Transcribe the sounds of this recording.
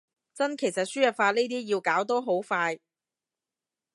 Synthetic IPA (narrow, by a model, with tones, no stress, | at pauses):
t͡sɐ˥nkʰe˨˩jsɐ˨t̚syː˥jɐ˨t̚faː˧ne˥t̪̬iː˥jiː˧wkaː˨˥wt̪o˥wɦo˨˥wfaː˧j